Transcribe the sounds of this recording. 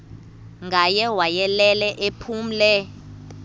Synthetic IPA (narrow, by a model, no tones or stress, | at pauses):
ŋɡʱajɛwajɛlɛlɛʔepʰuːm̩lɛ